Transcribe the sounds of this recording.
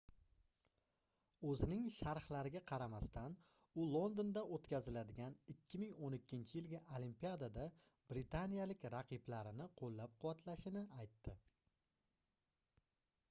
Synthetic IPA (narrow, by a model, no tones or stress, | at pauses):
ɵzɪnɪŋʃaɾhlaɾɪɡʲaqʰɑɾamast̪ʰan | ʊlˠo̞nd̪ond̪aʔot̪kʲʰazɪlad̪ɪɡʲanɪkʲʰːɪmɪŋonɪkʲːɪnt͡ʃʰɪjɪlɡʲaʔolimpijad̪ad̪a | b̥ɾɪt̪ʰanijalɪkʲɾɑqʰɨblaɾɪnɪqʰolːap̚qʰʊwat̪ʰlaʃɪnɪajt̪ːɪ